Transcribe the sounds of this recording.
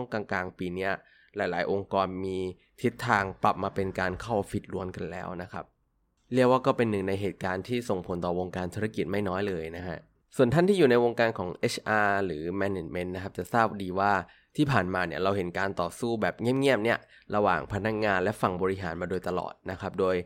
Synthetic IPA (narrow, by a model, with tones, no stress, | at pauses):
ŋkaː˧ŋklaː˧ŋpiː˧ni˦˥ɐ | laː˩˦jlaː˩˦jʔo˧ŋkɔː˧nmiː˧ | t̪ʰi˦˥t̪ʰːaː˧ŋpla˨˩p̚maː˧pe˧nkaː˧nkʰa˥˩wpʰi˨˩t̪̚ɾu˧ənka˧nlɛ̰ː˦˥wna˦˥kʰa˦˥p̚ | li˥˩əkwaː˥˩kɔː˥˩pe˧nːɯ˨˩ŋna˧jɦeː˨˩t̪̚kaː˧nt̪ʰiː˥˩so˨˩ŋpʰo˩˦nt̪ɔː˨˩wo˧ŋkaː˧nt̪ʰuː˧ɾa˧ki˨˩t̪̚ma˥˩jnɔː˦˥jlɤː˧jna˦˥kʰa̰˦˥ʔ | su˨˩ənt̪ʰa˥˩nt̪ʰiː˥˩juː˨˩na˧jwo˧ŋkaː˧nkʰɔː˩˦ŋʔe˦˥t͡ɕʰʔaː˧ɾɯː˩˦mɛ˧ne˨˩t͡ɕme˦˥nːa˦˥kʰa˦˥p̚t͡ɕa˨˩ʔsaː˥˩p̚diː˧waː˥˩ | t̪ʰiː˥˩pʰaː˨˩nmaː˧ni˦˥˩ɾa˧wɦe˩˦nkaː˧nt̪ɔː˨˩suː˥˩bɛː˨˩p̚ŋi˥˩əmŋi˦˥˩əp̚ni˦˥˩ɐ | ɾa˧wa̰ː˨˩ŋpʰa˧na˦˥k̚ŋaː˧nlɛ˦˥fa˨˩ŋbɔː˧ɾi˦˥ɦaː˩˦nmaː˧doː˧jt̪a˧lɔ̰ː˨˩t̪̚na˦˥kʰa˦˥p̚doː˧j